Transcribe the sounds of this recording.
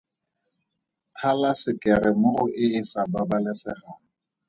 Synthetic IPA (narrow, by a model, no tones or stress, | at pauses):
tʰalasɪkʼɛɾɪmoʊʔɪɪsababalɛsɪχa